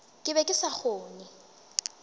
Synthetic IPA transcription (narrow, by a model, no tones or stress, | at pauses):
kʼɪbɛkʼɪsak͡xʰoːnɪ